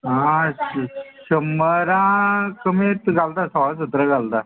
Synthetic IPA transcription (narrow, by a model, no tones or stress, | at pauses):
ɦã | ɕəməɾãkəmet̪ɡalt̪asəʋas̬ut̪ɾəɡalt̪a